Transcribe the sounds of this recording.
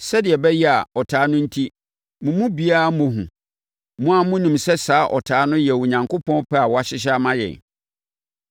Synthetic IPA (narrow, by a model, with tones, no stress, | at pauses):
sɛ˦dɪ˨ɛ˨bɛ˦jɛ˦a˨ɔ˨tʰaː˨˦nʊ̃˦n̩˦tʰi˦ | mʊ̃˨mũ˦bi˦a˦a˨mʊ̃˨ɦṵ̃˨ | mʊ̃˦a˨mʊ̃˦nĩ˨msɛ˦saː˨˦ʔɔ̰˨tʰaː˨˦nʊ̃˦jɛ˨wʊ˨ɲã˨ŋkʰo˦pʰɔ̃˦n˦pʰɛ˦a˨wɔ˨˦a˨ɕɪ˦ɕ̬a˦mã˦jɛ̰̃˨n